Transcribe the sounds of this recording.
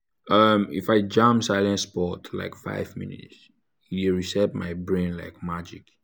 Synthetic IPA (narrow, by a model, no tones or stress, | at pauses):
ʌmḭfaɪd͡ʒãmsaɪlɛ̃nspɔtʰla̰ɪkfa̰ɪvmḭnḭts | iɹisɛpmaɪbɹẽnla̰ɪkmad͡ʒik